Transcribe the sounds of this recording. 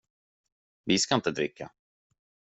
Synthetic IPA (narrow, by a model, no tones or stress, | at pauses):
vɪskaɪnt̪əd̪ɾɪkːa̰